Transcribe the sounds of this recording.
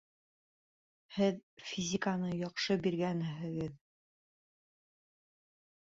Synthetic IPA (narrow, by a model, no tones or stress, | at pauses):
hɘðfʲizʲikanɤjɑqʃɤbiɾɡænɦɘ̆ɡɘð